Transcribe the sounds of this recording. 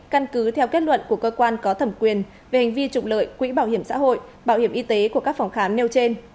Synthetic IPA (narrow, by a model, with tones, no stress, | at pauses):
ka˧nkɨ˨˦t̪ʰɛ˧wke˦˥t̚lwə̰˧˨nku˧˩əkəː˧kwaː˧nkɔ˨˦t̪ʰə˨˧˩mkwi˨˩ən | ve˨˩ha˨˩ŋ̟vi˧t͡ɕʊ˨˩k͡p̚lə̰ː˧˨jkwḭ˧˥ɓaː˧˩whi˧˩əmsa̰ː˧˥ɦo̰˧˨jɓaː˧˩whi˧˩əmʔi˧t̪e˨˦ku˧˩əkaː˦˥k̚fa˨˧˩wŋ͡mxaː˨˦mne˧wt͡ɕe˧n